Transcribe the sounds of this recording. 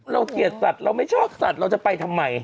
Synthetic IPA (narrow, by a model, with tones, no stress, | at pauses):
ɾa˧wki˨˩ət̪̚sa˨˩t̪̚ɾa˧wma˥˩jt͡ɕʰɔː˥˩p̚sa˨˩t̪̚ɾa˧wt͡ɕa˨˩pa˧jt̪ʰa˧mːa˧j